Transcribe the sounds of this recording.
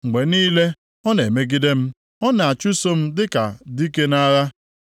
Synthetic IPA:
ŋ͡m̩˨ɡ͡be˨niː˦le˦ | ɔ˦ne˨me˦ɡi˦de˦m̩˦ | ɔ˦na˨a˨t͡ʃu˦so˦m̩˦dɪ˦ka˨di˦ke˦na˦ɣa˦

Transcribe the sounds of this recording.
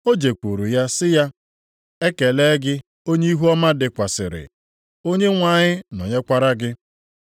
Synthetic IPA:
o˦d͡ʒe˨kʷu˨ɾu˨ja˦sɪ˦ja˦ | e˦ke˨le˦ɡɪ˦ | o˦ɲe˦i˦ɦu˦ɔ˦ma˦dɪ˨kʷa˨sɪ̰˨ɾɪ̰˨ | o˦ɲe˦ŋʷa˨ɲɪ˦nɔ˨ɲe˦kʷa˦ɾa˦ɡɪ˦

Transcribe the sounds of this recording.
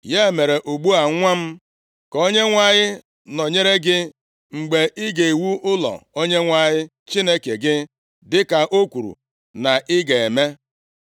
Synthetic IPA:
je˦˨me˨ɾe˨ʔu˨ɡ͡bu˦a˨˦ŋʷa˦m̩˦ | ko˦ɲe˦ŋʷa˦ɲɪ˦ | nɔ˨ɲe˦ɾe˦ɡɪ˦ | ŋ͡m̩˨ɡ͡be˨ʔi˦ɡe˨wu˦ʔʊ˦lɔ̰˨o˦ɲe˦ŋʷa˦ɲɪ˦ | t͡ʃi˦ne˦ke˨ɡɪ˦ | dɪ˦ka˨ʔo˦kʷu˨ɾṵ˨ | na˨ʔɪ˦ɡe˨e˨me˦

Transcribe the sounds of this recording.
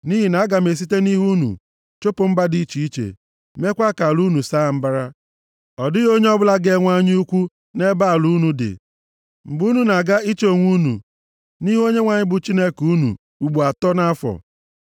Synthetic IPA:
ni˦ɦi˨na˨a˦ɡa˨me˨s̬i˦te˦ni˦ɦu˦nṵ˨ | t͡ʃo˦pʊ˨m̩˦ba˦di˦t͡ʃi˨i˦t͡ʃḛ˨ | me˦kʷa˦ka˨lu˦nu˨saː˦˨m̩˦ba˦ɾa˦ | ɔ˨dɪ˦ɣo˦ɲe˦ɔ˦bʊ˦la˦ɡe˦˨ŋʷa˦ɲ˦u˦kʷu˦ | ne˦ba˦˨lu˦nu˦dɪ̰˨ | m̩˨bu˦nu˨na˨ɡa˦i˦t͡ʃo˨ŋʷu˦nṵ˨ | ni˦ɦo˦ɲe˦ŋʷa˨ɲɪ˦bʊ˨t͡ʃi˦ne˦ku˦nṵ˨ | u˨ɡ͡bu˨a˨tɔ˦na˦fɔ̰˨

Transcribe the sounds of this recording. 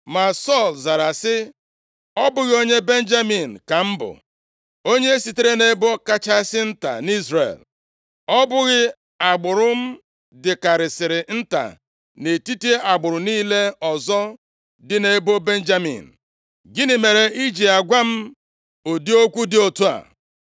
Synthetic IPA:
ma˨sɔ˦˨lza˨ɾa˨sɪ˦ | ɔ˦bʊ˦ɣɪ˦o˦ɲe˦be˦n̩˦d͡ʒa˦mi˨n̩˨ka˨m̩˦bʊ̰˨ | o˦ɲe˦e˦si˨te˦ɾe˦ne˦bo˦ka˦t͡ʃa˦sɪ˦n̩˦ta̰˨ni˦zrḛ˨l | ɔ˦bʊ˦ɣɪ˦ | a˨ɡ͡bʊ˨ɾʊ˦m̩˦ | dɪ˨ka˨ɾɪ˨sɪ˨ɾɪ˨n̩˦ta̰˨ | ne˨ti˦ti˦e˦ʔa˨ɡ͡bʊ˨ɾʊ˨niː˦le˦ɔ˨zɔ˦ | dɪ˨ne˨˦bo˦be˦n̩˦d͡ʒa˦mḭ˨n̩˨ | ɡɪ˦nɪ˨me˨ɾe˨ʔi˦d͡ʒi˨a˨ɡʷa˦m̩˦ | o˨di˦o˦kʷu˦dɪ˦o˨tu˦a̰˨

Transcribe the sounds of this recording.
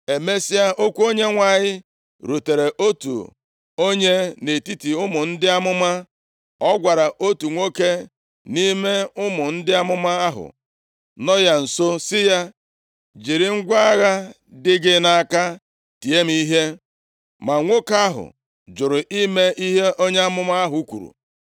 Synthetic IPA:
e˨me˦si˦a˦ʔo˦kʷu˦o˦ɲe˦ŋʷa˨ɲɪ˦ | ɾu˨te˨ɾe˨ʔo˦tṵ˨ | o˦ɲe˦ne˨ti˦ti˨ʊ˦mʊ˨n̩˦dɪ˦a˦mʊ˦ma˦ | ɔ˦ɡʷa˨ɾa˨ʔo˦tu˨ŋʷo˦ke˦ | ni˦me˦ʊ˦mʊ˨n̩˦dɪ˦a˦mʊ˦ma˦a˦ɦʊ̰˨ | nɔ˦ja˦n̩˨so˦sɪ˦ja˦ | d͡ʒi˨ɾɪ˨ŋ̩˦ɡʷa˦a˦ɣa˦ | dɪ˦ɡɪ˦na˦a˦˨ka˦ | ti˨e˦m˦i˦ɦe˦ | ma˨ŋʷo˦ka˦ɦʊ̰˨ | d͡ʒʊ˨ɾʊ˨ʔi˦me˦ʔi˦ɦe˦ʔo˦ɲe˦a˦mʊ˦ma˦a˦ɦʊ˨u˦kʷṵ˨ɾṵ˨

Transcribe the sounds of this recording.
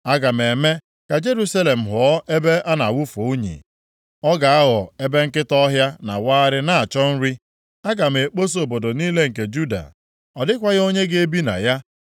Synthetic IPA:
a˦ɡa˨m̩˨e˨me˦ | ka˨d͡ʒe˦ɾu˦sa˦le˨m̩˨ɦʊ˨ɔ˦ʔe˦be˦ʔa˦na˨wʊ˦fo˨u˦ɲḭ˨ | ɔ˦ɡa˨a˦ɦɔ˨e˦be˦ŋ̩˦kɪ˦tɔ˦ɦja˦na̰˨waː˦ɾɪ˦na˨a˨t͡ʃɔ˦n̩˦ɾi˦ | a˦ɡa˨m̩˨e˨k͡po˦s̬o˨bo˨do˨niː˦le˦ŋ̩˨ke˨d͡ʒu˦da̰˨ | ɔ˨dɪ˦kʷa˦ɣo˦ɲe˦ɡe˦bi˦na̰˨ja˦

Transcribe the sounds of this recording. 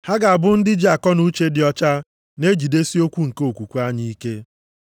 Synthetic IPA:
ha˦ɡa˨a˨bʊ˦n̩˦dɪ˦d͡ʒa˨kɔ˦nu˦t͡ʃe˦dɪ˨ɔ˦t͡ʃa˦ | ne˦d͡ʒi˨de˦si˦o˦kʷu˦ŋ̩˨ke˦o˨kʷu˨kʷu˦a˦ɲi˦i˦ke˦

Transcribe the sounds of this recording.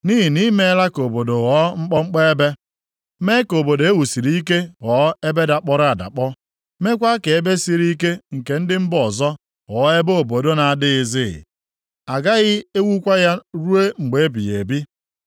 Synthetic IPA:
ni˦ɦi˨ni˦me˦la˦ko˨bo˨do˨ɣɔ˨˦ŋ͡m̩˦k͡pɔ˦ŋ͡m̩˦k͡pe˦e˦be˦ | me˦ko˨bo˨do˨e˦wu˨si˨ɾi˦i˦ke˦ɣɔ˨˦e˦be˦da˨k͡pɔ˦ɾa˨da̰˨k͡pɔ˦ | me˦kʷa˦ke˨e˦be˦si˨ɾi˦k̬e˦ŋ̩˨ke˨n̩˦dɪ˦m̩˦bɔ˨zɔ˦ | ɣɔː˨˦e˦bo˦o˨bo˨do˦na˨a˨dɪ˦ɪ˨zɪ˦ɣɪ̰˨ | a˨ɡa˦ɣɪ˦e˦wu˦kʷa˦ja˦ɾu˦e˦ŋ͡m̩˨ɡ͡be˨˦bḭ˨je˨bi˦

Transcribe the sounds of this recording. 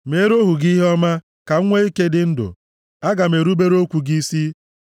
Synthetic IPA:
meː˨˦ɾo˦ɦu˨ɡi˦ɦe˦ɔ˦ma˦ | ka˨ŋ̩˦ŋʷe˦i˦ke˦dɪ˦n̩˦dʊ̰˨ | a˦ɡa˨me˨ɾu˦be˦ɾo˦kʷu˨ɡi˦si˦

